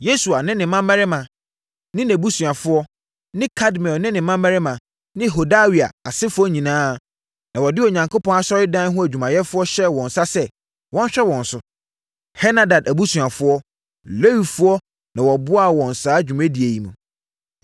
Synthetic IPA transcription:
je˦su˨a˨nɪ̃˦nɪ̃˨mã˦mɛ˦ɾɪ˦mã˨ | nɪ̃˦næ˨bu˦sũ˨a˨fʊ˦ɔ˦ | nɪ̃˦kʰa˦dmɛ˨nɪ̃˦nɪ̃˨mã˦mæ˦ɾɪ˦mã˨ | nɪ̃˦˨ɦo˨da˦wi˨a̰˨a˨sɪ˦fʊ˦ɔ˦ɲĩ˨nãː˦˨ | nã˨wɔ˨dɪ˦o˨ɲã˨ŋkʰo˦pʰɔ̃˦na˦sɔ˦ɾɪ˦dã˦n˦ɦʊ̃˦æ˨d͡ʑᶣu˨mã˨jɛ˦fʊ˦ɔ˦ɕɛ˦wɔ̃˨n˨sa˦sɛ˦ | wɔ̃˦n˦ɕᶣɛ˦wɔ̃˨n˨sʊ˨ | hɛ˦na˦da˨dæ˨bu˦sũ˨a˨fʊ˦ɔ˦ | le˦wi˨fʊ˦ɔ˦ | nã˨wɔ˨bʊ˦a˦˨wɔ̃˨n˨saː˨˦d͡ʑᶣu˨mæ̃˦di˨æ˨ji˨mũ˨

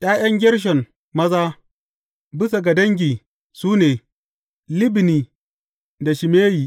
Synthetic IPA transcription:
ʔaː˦jɐ˦ŋɡʲɪ˦ɽʃ̬ɐ˨m | mɐ˦zaː˦ | bɪ˦s̬a˨ɡa˨dɐ˦ŋɡʲiː˨ | suː˦neː˨ | lɪ˦bɪ˨niː˨ | da˨ʃɪ˨meː˦jiː˨

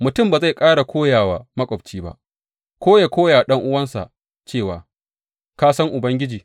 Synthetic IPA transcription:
mʊ˨tʊ˦˨mbaː˨za˦˨jkʼaː˦ɽa˨kʷoː˦jaː˨waː˨mɐ˦kʷʼɔ˨bt͡ʃiː˦ba̰˦ʔ | kʷoː˦ja˨kʷoː˦jaː˨ɗɐ˦ŋʔʊ˦wɐ˦nsa̰˨ | t͡ʃeː˦˨waː˨ | kaː˦sɐ˦ŋʔʊ˨bɐ˦ŋɡʲɪ˦d͡ʒiː˨

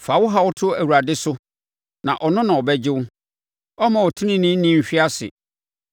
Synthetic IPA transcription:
fa˨wʊ˦ɦa˦wʊ˦tʰʊ˦æ˨wu˨ɾa˨dɪ˦sʊ˦ | nã̰˨ʔɔ˨nʊ̃˦nã˨ɔ˨bɛ˦d͡ʑɪ˦wʊ˦ | ɔ˦mã˨ɔ˨tʰɪ̃˦nɪ̃˦nɪ̃˦nĩ˦m̩˨ɕᶣi˦a˦sɪ̰˨

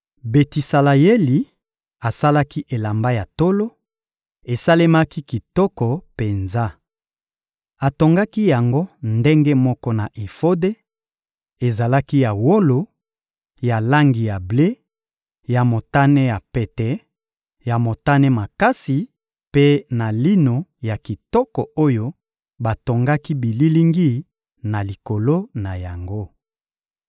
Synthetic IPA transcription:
be˨ti˨sa˨la˨je˦li˨ | a˨sa˦la˦ki˦ʔe˨la˨mba˦ja˨to˦lo˦ | e˨sa˦le˦ma˦ki˦ki˨tɔ˦kɔ˨pe˨nza˦ | a˨to˨ŋɡa˦ki˦ja˨ŋɡo˦nde˦ŋɡe˦mɔ˦kɔ˦na˨ʔe˨fo˦de˦ | e˨za˨la˦ki˦ja˨wo˦lo˨ | ja˨la˦ŋɡi˨ja˨ble˦ | ja˨mo˨ta˦nɛ˦ja˨pɛ˨tɛ˨˦ | ja˨mo˨ta˦nɛ˦ma˨ka˦si˨ | pe˦na˨li˦no˨ja˨ki˨tɔ˦kɔ˨o˦jo˦ | ba˨to˨ŋɡa˦ki˦bi˨li˦li˦ŋɡi˦ | na˨li˨ko˨lo˦na˨ja˨ŋɡo˦

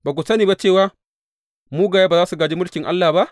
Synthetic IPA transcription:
baː˨k̬ʷu˨sɐ˦niː˨ba˦t͡ʃeː˦˨waː˦ | muː˦ɡaː˨jaː˦baː˨zaː˦su˨ɡaː˨d͡ʒi˦mʊ˦lkʲɪ˨ŋʔa̰˦lːaː˨ba˦ʔ

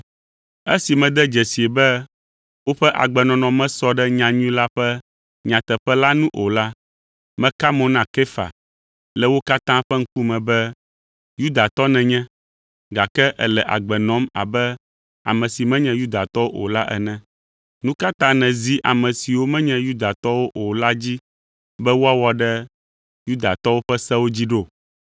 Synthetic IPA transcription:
ɛ˦si˨mɛ̃˨d̪ɛ˦d͡ʒɛ˨si˨e˨bɛ˦ | wo˦ɸɛ˦ʔa̰˨ɡ͡bɛ˨nɔ̃˨nɔ̃˨mɛ̃˦sɔ˦ɖɛ˦ɲã˨ɲũ˦la˦ɸɛ˦ | ɲã˨t̪ɛ˨ɸɛ˦la˦nũ˦ʔo˨la˦ | mɛ̃˦ka˦mɔ̃˨nã˦ke˦fa̰˨ | lɛ˨wo˦ka˦t̪ã˦ɸɛ˦ŋ̩˦ku˦mɛ̃˨bɛ˦ | ju˦d̪a˨t̪ɔ˦nɛ̃˨ɲɛ̃˦ | ɡa˨kɛ˦ʔɛ̰˨lɛ˨ʔa̰˨ɡ͡bɛ˨nɔ̃˨˦ma̰˨bɛ˦ | a̰˨mɛ̃˨si˨mɛ̃˦ɲɛ̃˨ju˦d̪a˨t̪ɔ˦wo˦ʔo̰˨la˦ʔɛ̰˨nɛ̃˨ | nũ˦ka˦t̪ã˦nɛ̃˨zi˦ʔa˨mɛ̃˨si˨wo˦mɛ̃˦ɲɛ̃˦ju˦d̪a˨t̪ɔ˦wo˦ʔo˨la˦d͡ʑi˦ | bɛ˦wo˦a˦wɔ˦ɖɛ˦ | ju˦d̪a˨t̪ɔ˦wo˦ɸɛ˦sɛ˦wo˦d͡ʑi˦ɖo˦˨

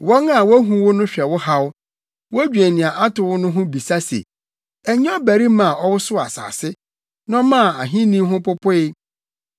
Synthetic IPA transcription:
wɔ̃˦ŋa˦˨wɔ˦æ˦ɦũ˦wʊ˦nʊ̃˦ɕᶣɛ˨wʊ˦ha˦w | wʊ˦æ˦d͡ʑᶣæ˨nɪ̃˨ã˨ʔa˦tʊ˨wʊ˦nʊ̃˦ɦʊ̃˦bi˨sa˦sḛ˨ | æ˨ɲɛ˦ɔ˦bæ˨ɾi˦mã˨ʔɔ˦wʊ˦sʊ˦a̰˨sa̰ː˨sɪ˦ | nã˦mã˦˨a˨ɦĩ˦nĩ˦ɦʊ̃˦pʊ˦pʰʊ˦ɪ˦

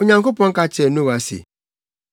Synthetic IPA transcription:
o˦ɲa˨ŋ˦k̬ʊ˦pɔ˨ŋ̩˦ka˦t͡ʃe˨no˦˨ɣa˨sḭ˨

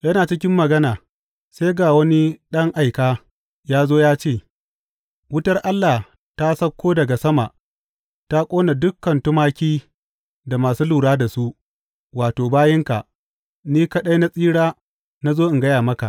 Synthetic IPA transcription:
jɐ˦naː˨t͡ʃɪ˦kʲɪ˦mːɐ˨ɡɐ˦naː˨ | se˦jɡaː˨wɐ˦ni˦ɗɐ˦ŋʔa˨jkaː˦ | jaː˦zoː˦jaː˦t͡ʃeː˦˨ | wʊ˦tɐ˦rʔa˦lːa˨ | ta˦sɐ˦kʷːoː˦dɐ˨ɡa˨sɐ˦ma̰˨ʔ | ta˦kʷʼoː˦na˨dʊ˦kːɐ˨ntʊ˦maː˦kʲiː˦ | da˨maː˨suː˦luː˨ɽaː˦da˨su˦ʔ | waː˨toː˨baː˦jɪ˦ŋka˨ʔ | niː˦kɐ˦ɗa˦jna˦sʼiː˦ɽaː˦ | na˦zoː˦ʔɪ˨ŋɡɐ˦jaː˨mɐ˦ka̰˨ʔ

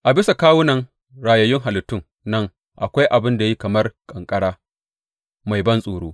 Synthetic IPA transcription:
ʔa˨bɪ˦sa˨kaː˦wʊ˦nɐ˨ŋ | ɽaː˨jɐ˨jɪ˦ŋɦa˨lɪ˨tːʊ˦˨ŋ | nɐ˦ŋ | ʔa˨kʷa˦jʔa˨bɪ˦nda˨ji˦kɐ˨mɐ˦rkʼɐ˨ŋkʼɐ˦ɽaː˦ | ma˨jbɐ˦nsʼoː˨ɽoː˦

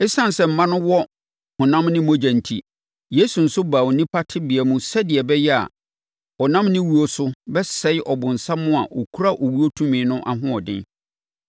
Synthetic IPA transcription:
ɪ˦sã˦n˨sɛ˨m̩˨mã˦nʊ̃˦wɔ˦ | hʊ̃˨nã˦mnɪ̃˦mõ˦d͡ʑã˨n̩˨tʰḭ˨ | je˦su˨n̩˨sʊ˦baː˨o˨nĩ˦pʰa˦tʰɪ˦bɪ˨ɛ˨mũ˦sɛ˦dɪ˨ɛ˨bɛ˦jɛ˦a̰˨ | ɔ˨nã˦mnɪ̃˦wu˨o˦sʊ˦bɛ˦sɛ˨˦ɪ˦ʔɔ˨bʊ̃˨n̩˨sa˦mʊ̃˦a˨ʔɔ˨kʰu˦ɾa˦ʔo˨wu˦o˦tʰũ˦mĩ˨nʊ̃˦ʔa˨ɦʊ̃˦ɔ˨dɪ̰̃˦n

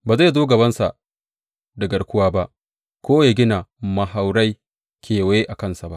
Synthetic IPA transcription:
baː˨za˦˨zoː˦ɡɐ˨bɐ˦nsa̰˨ | dɐ˨ɡɐ˨ɽkʷʊ˦waː˦ba˦ʔ | kʷoː˦ja˨ɡʲɪ˦na˨mɐ˨ɦa˨wɽa˦j | kʲʰeː˨we˦e˦ʔa˨kɐ˦nsa˨ba˦ʔ

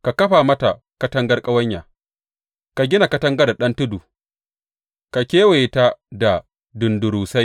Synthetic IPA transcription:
ka˨kɐ˦ɸa˨mɐ˦ta˨ | kɐ˦tɐ˦ŋɡɐ˦rkʼɐ˦wɐ˦ɲjaː˨ | ka˨ɡʲɪ˦na˨kɐ˦tɐ˦ŋɡɐ˦da˨ɗɐ˦ntʊ˦duː˨ | ka˨kʲeː˦we˨ta˦da˨ | dʊ˨ndʊ˨ɾuː˨sa˦j

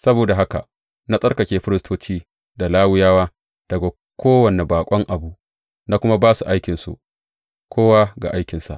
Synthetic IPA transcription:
sɐ˦boː˨da˨ɦa˦ka̰˨ʔ | na˦sʼɐ˦rkɐ˨kʲeː˨ɸɪ˦ɾɪ˦stʰoː˦t͡ʃiː˦ | da˨laː˦wɪ˦jaː˦waː˦ | d̥ɐ˨ɡa˨ | kʷoː˦wɐ˨ne˨baː˨kʷʼɔ˦ŋʔa˨bu˦ʔ | na˦kʷʊ˦ma˦baː˦su˨ʔa˦jkʲɪ˨nsṵ˨ʔ | kʷʰoː˦waː˦ɡa̰˨ʔa˦jkʲɪ˨nsa̰˨ʔ

